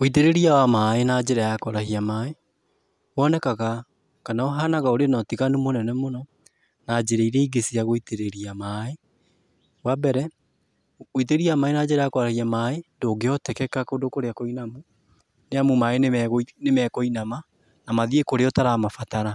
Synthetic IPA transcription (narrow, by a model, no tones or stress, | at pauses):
oit̬eɾeɾiawamaːenad͡ʑeɾajakɔɾahiamaːe | wɔnɛkaɣa | kanaoɦanaɣaoɾenɔtiɣanumonɛnɛmonɔ | nad͡ʒeɾeiɾɛiɡesiaɣoiteɾeɾiamae | wabɛɾɛ | it̬eɾeɾiamaːenad͡ʑeɾajakoɾahiamaendoːɡeɔtɛkɛkakondokoɾeakoinamu | neamumaeneɣnemɛkoinama | namaðiekoɾeɔtaɾaːmafataɾa